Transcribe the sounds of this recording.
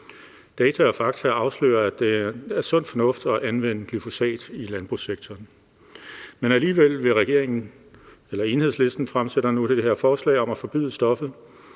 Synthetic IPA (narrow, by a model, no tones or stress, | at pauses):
d̥ɛːt͡sʰææfɑ̈ɡ̥i̥æɑ̈ʊslø̰ːɐæd̥e̝æɐsɔ̽n̰d̥fɒ̽nɔ̽fd̥ɒ̽ʔænʋen̰əɡ̥lyfo̝sɛ̰ːd̥ilænb̥ʁusːeɡ̥t͡sʰɒːn | menæliːʋel̰ʋe̝ʁɛɡ̥e̝ɐ̰e̝ŋn̩ | elɐe̝ːnhesle̝sd̥n̩fʁamseɾ̥ɐnud̥e̝d̥eheɐ̰fɒːslɛ̰ːɪɒ̽mæfɒ̽b̥y̰ðˠsd̥ɒ̽fð̩ˠ